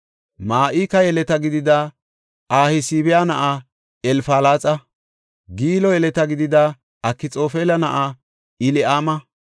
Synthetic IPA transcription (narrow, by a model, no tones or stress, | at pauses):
maːʔikɐjɛlɛt̪ɐɡɪd̪ɪd̪ɐ | ʔaːhɪsiːbɛjanɐʔɐ | ɛlfaːlaːt͡sʼɐ | ɡiːlɔjɛlɛt̪ɐɡɪd̪ɪd̪ɐ | ɐkːɪt͡sʼo̞ːfeːlɐnɐʔa | ɪlɪʔaːmɐ